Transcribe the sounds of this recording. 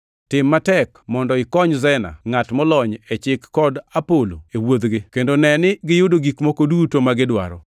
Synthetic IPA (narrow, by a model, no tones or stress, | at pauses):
tɪmːatɛkmɔndɔɪkɔɲzɛna̰ŋatmɔlɔɲet͡ʃɪkːɔdapolo̰ewod̪ɡɪkendonɛnɪɡɪjodoɡikmokodutomaɡɪdwa̰ɾɔ̰